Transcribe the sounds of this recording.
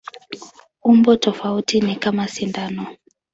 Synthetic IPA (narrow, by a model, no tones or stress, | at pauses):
umbɔtɔfautinikamasindanɔ